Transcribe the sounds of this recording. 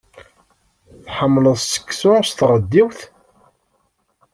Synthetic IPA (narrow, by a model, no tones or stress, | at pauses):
θħəmːləðˤssə̥kːsʊɾst̪ʁəd̪ːiwθ